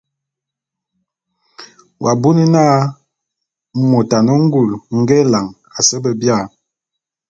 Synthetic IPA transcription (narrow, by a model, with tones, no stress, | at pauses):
wʔa˨bu˦ni˦naː˦ | mo˨ta˨no˦ŋ̩˦ɡu˨lŋ̩˦ɡɛ˦la˨ŋ | a˨sɛ˦bə˨bja˦˨